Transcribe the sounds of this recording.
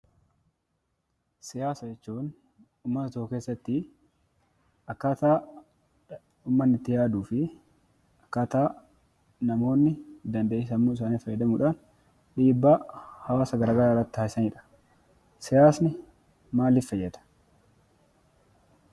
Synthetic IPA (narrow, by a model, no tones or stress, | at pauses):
sɪjaːsɐd͡ʒɛt͡ʃːuːn | uːmːɐt̪ɐt̪oːke̞ːsːɐt̪ːɪ | ɐkːaːt̪aː | uːmːɐnːɪt̪ːɪjaːd̪uːfɪ | ɐkːaːt̪aː | nɐmo̞ːnːɪd̪ɐnd̪ɐːʔɪs̬ɐmːuːɪs̬aːniːfɐjːɐd̪ɐmuːᶑaːn | ᶑiːbːaːhɐwaːsɐɡɐɾaɡɐɾaːrːɐt̪ːaːɪsɐniːᶑɐ̥ | sɪjaːsnɪ | maːlːɪfɐjːɛd̪ɐ̥